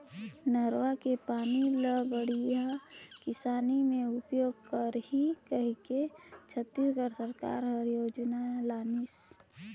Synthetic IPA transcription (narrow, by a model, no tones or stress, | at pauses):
nəɾwakepaːniləbəɽijakɪsaːnimẽʊpjoːɡ̚kəɾhikəɦiket͡ʃʰət̪ːisɡəɾsəɾka̰ːɾɦəɾjoːd͡ʒnalaːnis